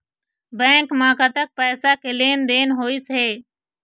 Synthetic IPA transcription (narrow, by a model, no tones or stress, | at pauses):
bɛ̃ːŋkmãːkət̪ək̚pɛːsakeleːnd̪eːnɦoːɪsɦeː